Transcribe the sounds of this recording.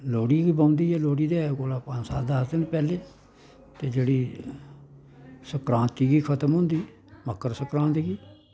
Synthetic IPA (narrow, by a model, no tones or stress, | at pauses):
loːɽiːɡiːbãũnd̪iːɛːloːɽiːd̪eːɡoːlaːpə̃d͡ʒsa̰ːd̪aːsd̪ɪnpɛːleː | t̪eːd͡ʒeːɽiː | səkɾãːnt̪iːɡiːkʰət̪əmɦʊ̃nd̪iː | məkːəɾsəkɾãːnt̪ːɡiː